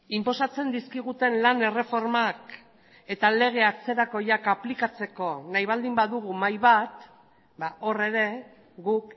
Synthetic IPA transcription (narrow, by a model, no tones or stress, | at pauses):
impo̞sat͡se̞nd̪iskiɣ̞ut̪e̞nlane̞re̞fo̞ɾmak | e̞t̪ale̞ɣ̞e̞at͡se̞ɾako̞jakaplikat͡se̞ko̞najβ̞ald̪imbaðuɣ̞umajβat̪ | bao̞re̞ɾe̞ | ɣuk